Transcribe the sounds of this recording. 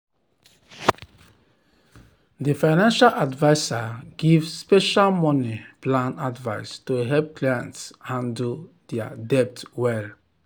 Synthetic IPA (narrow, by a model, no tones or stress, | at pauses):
defaɪnãnʃalʔadvaɪsaɡivspɛʃalmɔniplãnadvaɪstoɦɛlp̚klajã̰ntsãndu | dɛa̰dɛp̚twɛl